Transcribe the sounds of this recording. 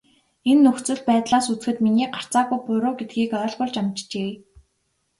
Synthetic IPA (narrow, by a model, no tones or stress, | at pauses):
enːɵxt͡sɵ̆ɮpæːt̪ɮaːsut͡sxɘ̆t̪miniːɢar̥t͡saːɣujpʊɾʊːɡet̪̚ɡiːkœːɮpʊɮt͡ɕamt͡ɕt͡ɕeː